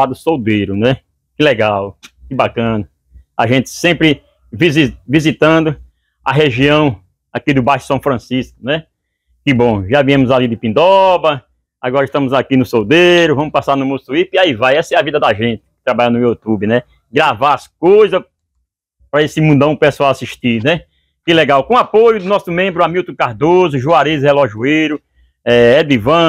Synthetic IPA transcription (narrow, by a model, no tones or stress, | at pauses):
ad̪ʊsowd̪ejɾʊnɛ | kɪlɛɡawkɪbakɐ̃nɐ | a̰ʒẽt̪ɪ̥sẽpɾɪ | vizivizit̪ɐ̃nd̪ʊ | aɦeʒiɐ̃w̃ | akid̪ʊbajʃʊ̥sɐ̃w̃fɾɐ̃siskʊnɛ | kɪbõʒavĩɐ̃mʊzalid̪ɪpĩnd̪ɔbɾɐ | aɡɔɾɐiʃt̪ɐ̃mʊzakinʊsowd̪eɾʊvɐ̃mʊspasaɾnʊmosuip̪iaivajɛsɐɛɐvid̪ɐd̪aʒẽnt̪ɪ̥kɪ̥t̪ɾabaʎanʊjut̪ubɪnɛ | ɡɾavaaskojzɐ | pɾɐesɪmũd̪ɐ̃w̃pesuawasiʃt̪inɛ | kɪlɛɡawkõapojʊd̪ʊnɔsʊmẽmbɾʊamiwt̪ũkaɾd̪ozʊʒuaɾezheloʒuejɾʊ | ɛɛd̪ivɐ̃